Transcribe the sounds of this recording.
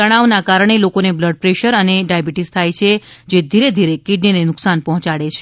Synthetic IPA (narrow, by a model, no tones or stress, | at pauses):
əɽ̃aʋnakaɾəɳ̃elokonebləɖ̚pɾeʃəɾəneɖajabiʈist̪ʰajt͡ʃʰed͡ʒed̪ʱiɾed̪ʱiɾekiɖninenʊksanpɔɦɔ̃t͡ʃaɽet͡ʃʰe